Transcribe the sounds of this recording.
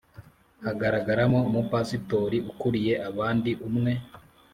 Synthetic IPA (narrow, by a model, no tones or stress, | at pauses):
haɡaɾaɡaɾamomupasito̞ɾiʔukuɾije̞ʔaβaːndiʔumŋe̞